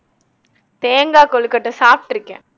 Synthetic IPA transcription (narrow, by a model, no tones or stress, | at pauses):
t̪eːŋɡaːkɔɭɯkːɐʈːɐsaːp̚ʈɪɾɯkːɛ̰̃